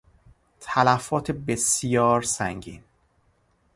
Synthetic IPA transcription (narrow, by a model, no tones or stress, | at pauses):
t̪ʰælæfɒːt̪ʰebesijɒːɾsæŋɟḭːn